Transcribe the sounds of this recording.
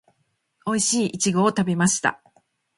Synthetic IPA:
o̞iɕiːʔit͡ɕiɡo̞ːt̪abʲemaɕi̥t̪a̰

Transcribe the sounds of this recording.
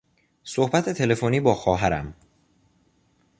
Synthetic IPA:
sohbæt̪ʰe̞t̪ʰe̞le̞foniːbɒːxɒːɦæɾæ̰m

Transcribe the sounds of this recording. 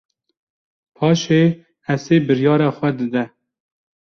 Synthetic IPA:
pʰɑːʃeː | ɛseːbɨɾjɑːɾɑːxʷɛd̪ɨd̪ɛ

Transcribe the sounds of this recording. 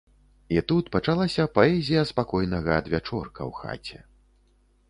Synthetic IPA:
it̪ut̪pɐt͡ʂalˠasʲɐpaɛzʲijɐspakɔjnɐɣɐːd̪vʲat͡ʂɔrkɐ̰wxa̰t͡sʲɛ

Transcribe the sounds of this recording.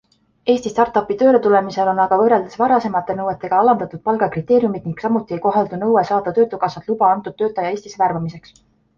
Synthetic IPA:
e̞ːsʲt̪ist̪ɑrt̪ːˑɑpːˑit̪ø̞ːɾet̪ule̞mise̞lo̞nɑɡ̥ɑvɤrːe̞ld̪̥esvɑɾɑse̞mɑt̪ˑːe̞nɤwe̞t̪ːˑe̞ɡ̥ɑɑlɑnd̪ɑt̪ːˑud̪̥̚pɑlɡ̥ɑkrit̪ːˑe̞ːɾjumid̪̚niŋɡ̥sɑmut̪ˑːiejko̞ɦɑld̪unɤwesɑːd̪̥ɑt̪ø̞ːt̪ːˑukɑsɑt̪lubɑɑnt̪ːˑud̪̥ːø̞ːt̪ːˑɑjɑe̞ːsʲt̪isværvɑmise̞ks

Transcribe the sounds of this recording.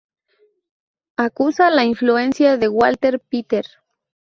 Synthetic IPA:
akusalainfluensjaðewalt̪eɾpit̪eɾ

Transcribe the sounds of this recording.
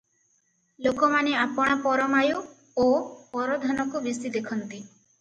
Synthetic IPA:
lokɔmaneapɔɽ̃ɔpɔɾɔmaju | opɔɾɔd̪ʱɔnɔkubisid̪ekʰɔnt̪i

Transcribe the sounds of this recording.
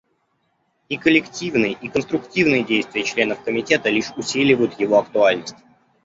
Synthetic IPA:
ikəlʲɪktʲivnɨjʔikənst̪ɾʊktʲivnɨjədʲejst̪vʲɪjət͡ɕlʲenəfkəmʲɪtʲe̞t̪əlʲiʂʊsʲilʲɪvəjʊt̪jɪvo̞ɐkt̪ʊalʲnəsʲtʲ

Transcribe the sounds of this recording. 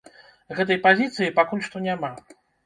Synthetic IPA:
ɣɛt̪̬ɐjpazʲit̪sɨjipakulʲʂt̪ɔnʲama

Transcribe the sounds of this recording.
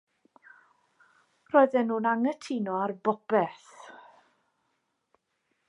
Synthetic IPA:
rɔːjðɛnːuːnaŋətʰinɔarbɔbɛθ

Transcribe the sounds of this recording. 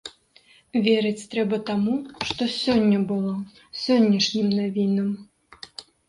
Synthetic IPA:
vʲɛɾɨt͡sʲt̪ɾɛbɐt̪amuʂt̪ɔsʲɔnʲːɐbɨlˠɔ | sʲɔnʲːɐʂnʲimnavʲinɐm

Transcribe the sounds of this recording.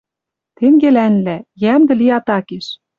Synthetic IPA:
t̪eŋɡelænlæjæmd̪ɘ̆liɑt̪ɑkeʃ

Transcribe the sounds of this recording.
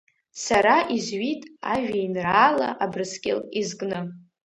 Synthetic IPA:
saɾaʔizɥitʼaʒᶣajnraːla̰ʔabrɨskʲʼɪ̰lizɡʼnɨ

